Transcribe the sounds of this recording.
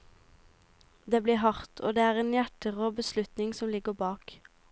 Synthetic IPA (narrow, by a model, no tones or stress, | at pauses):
d̪eːbliːhɑʁt̪ʰoːd̪eːæːʁeːnjæʈəʁoːbəslʉt̪nɪŋsɔmlɪɡəʁbɑːk